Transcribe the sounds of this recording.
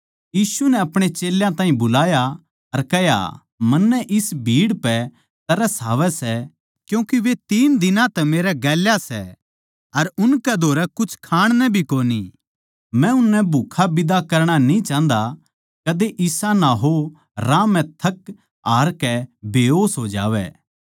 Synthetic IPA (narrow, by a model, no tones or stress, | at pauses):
jiːsunɛɐpɽ̃et͡ʃeːljãt̪aːɦĩbʊlaːja | ɐɾkɛɦja̰ | mɐnːɛʔɪsbʱiːɽpɛ | t̪ɐɾɛsaːʋɛsɛ | kjũːkiʋet̪iːnd̪ɪnãt̪ɛmeːɾɛɡɛːljasɛ̰ | ɐɾʊnkɛd̪ʱoːɾɛkʊt͡ʃʰkʰaːɽ̃nɛbʱikoːni | mɛ̃ʊnːɛbʱʊkʰabɪd̪akɐɾɽ̃anĩt͡ʃãːnd̪a | kɐd̪eʔɪsanaɦo | ɾãːmɛ̃t̪ʰɐk | aːɾkɛbeːɦoːsɦod͡ʒa̰ːʋɛ̰ː